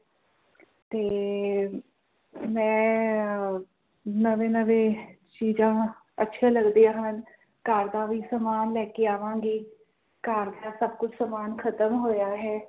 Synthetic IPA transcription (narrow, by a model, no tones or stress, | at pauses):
t̪eː | mɛ̃ː | nəʋẽːnəʋẽː | t͡ʃiːzãː | ətːʃʰãːləɡd̪eãːɦən | kəɾd̪aːʋiːsəmaːnlɛːkeaːʋãːɡiː | kəɾd̪aːsəb̚kʊt͡ʃʰsəmaːnkʰət̪əmɦoːjaːɦɛː